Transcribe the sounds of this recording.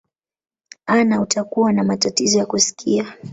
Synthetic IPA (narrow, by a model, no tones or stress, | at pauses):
anautakuwanamatatizɔjakusi̥kʰia